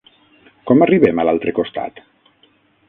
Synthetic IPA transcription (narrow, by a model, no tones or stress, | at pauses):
kɔmariβɛməlalˠt̪ɾekost̪a̰t̪